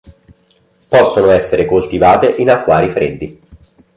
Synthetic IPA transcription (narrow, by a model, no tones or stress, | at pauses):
pɔsːonoɛsːeɾekolt̪ivaːt̪eʔinakːwaːɾifɾḛd̪ːi